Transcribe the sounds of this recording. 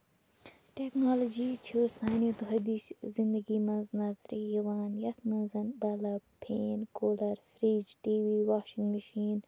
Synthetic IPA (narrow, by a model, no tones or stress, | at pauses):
ʈeknaːlod͡ʒiːt͡ʃʰisaːnit̪uɦɐd̪iszind̪ɐɡiːmɐ̃nznɐzɾijɐʋaːnjɐt̪mɐnzɐnbɐlɐpʰeːnkoːlɐɾfɾiːd͡ʒʈiːʋiːwaːʃĩŋɡmɐʃiːn